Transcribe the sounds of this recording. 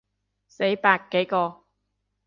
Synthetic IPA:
se˨˥jpaː˧kːe˨˥jkɔː˧

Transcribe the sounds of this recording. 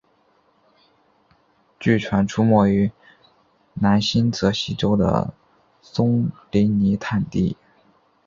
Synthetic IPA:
t͡ɕy˥˩ʈ͡ʂʰwa˧˥nʈ͡ʂʰu˥mwɔ˥˩y˧˥ | na˧˥nɕi˥nt͡sɤ˧˥ɕi˧˥ʈ͡ʂo˥ʊd̪ə̰˨ | sʊ˥ŋli˧˥ni˧˥t̪ʰa˥˧nt̪ḭ˥˩

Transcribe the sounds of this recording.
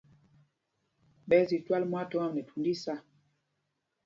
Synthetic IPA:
ɓɛ˨˦zi˨twa˦lmwa˦tɔ˦a˦mnɛ˨tu˨ndi˦sa˦

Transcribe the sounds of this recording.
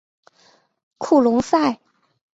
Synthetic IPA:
kʰu˥˩lʊ˧˥ŋsa˥˩ɪ

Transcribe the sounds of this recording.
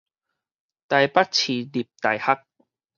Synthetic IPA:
t̪a˧jpa˦˥t̚t͡ɕʰi˨˩li˨˩p̚t̪a˨˧jha˦˥k̚

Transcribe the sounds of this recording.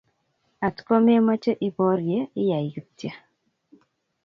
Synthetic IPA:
a˨tkɔ˦m˦e˦ma˦t͡ʃə˦ʔi˨bɔ˦ɾje˦i˦ja˨ju˦tja˨

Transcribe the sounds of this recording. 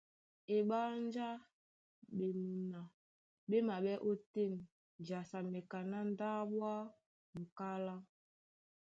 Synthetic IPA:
e˨ɓa˦n˦d͡ʒa˦ | ɓe˨mu˨na˨ | ɓe˦ma˨ɓɛ˦ʔo˦te˦˨n˨ | d͡ʒa˨sa˨me˨ka˨na˦n˦da˦ɓwa˦ | ŋ̩˨ka˦la˦

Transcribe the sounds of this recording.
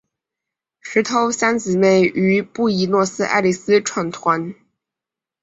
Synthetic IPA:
ʂɻ̩˧˥t̪ʰo˧˥ʊsa˥nt͡sɹ̩˨˩ne˥˩ɪʔy˧˥pu˥˩i˧˥nwɔ˥˩sɹ̩˥ʔa̰˥˧ɪli˥˩sɹ̩˥ʈ͡ʂʰwa˥˩nt̪ʰwa˧˥n

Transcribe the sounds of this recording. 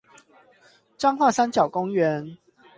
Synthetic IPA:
ʈ͡ʂɑ˥ŋxwa˥˨sa˥˦nt͡ɕjɑ˨˩ʊkʊ˥ŋɥɛ˨˦n

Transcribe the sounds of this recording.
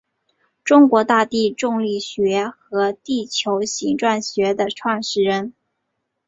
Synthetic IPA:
ʈ͡ʂʊ˥ŋkwɔ˧˥t̪a˥˧t̪i˥˧ʈ͡ʂʊ˥˧ŋli˥˩ɕɥɛ˧˥xɤ˧˥t̪i˥˩t͡ɕʰjo˧˥ʊɕi˧˥ŋʈ͡ʂwa˥˩nɕɥɛ˧˥d̪ə˨ʈ͡ʂʰwa˥˩ŋʂɻ̩˥˩ɻə˧˥n

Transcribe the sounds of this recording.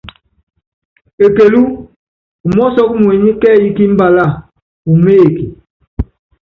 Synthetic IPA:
e˨ke˨lu˦ | u˨mɔ˦sɔ˦k̚mwe˨ɲi˦kɛ˦˨i˦ki˦m̩˦ba˦la˦˨ | u˨me˦e˨ki˨

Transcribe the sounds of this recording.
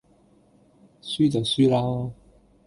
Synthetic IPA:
syː˥t͡sɐ˨wsyː˥laː˥

